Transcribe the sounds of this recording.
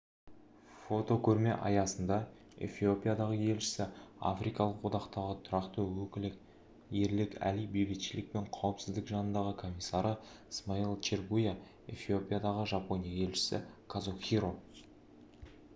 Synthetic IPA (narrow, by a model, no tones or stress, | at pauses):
fo̞t̪o̞kʲʰɵɾme̞ʔɑjɑsənd̪ɑ | ḛfio̞pʲijad̪ɑʁəje̞lʃɪ̥sɪa̰fɾijkɑlˠəqwod̪ɑqt̪ɑʁət̪ʰʊɾɑqt̪əwɵkʲɪlɪk | je̞ɾlɪkʲæ̰lijbejbɪt̪ʃɪlɪk̚pe̞ɴqʰɑwəpsɪzd̪ɪkʒɑnənd̪ɑʁəkʰo̞mʲijsːɑɾʔəəsmailˠt͡ʃerɡuja | e̞̰fio̞pʲijad̪ɑʁəʒɑpo̞nʲijaje̞lʃɪ̥sɪ̰kʰazoxʲiɾo